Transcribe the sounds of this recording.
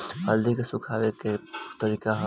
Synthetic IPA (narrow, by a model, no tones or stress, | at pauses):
həld̪ikesukʰaːʋeket̪əɾiːkaɦ